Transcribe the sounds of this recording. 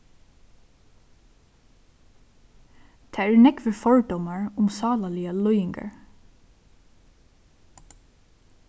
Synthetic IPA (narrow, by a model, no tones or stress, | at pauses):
t̪ʰæːæɹnɛkʋəfɔɹd̪ɔmɑɹʊmsɑːlaliːɑlɔʏɪŋɡa̰ɹ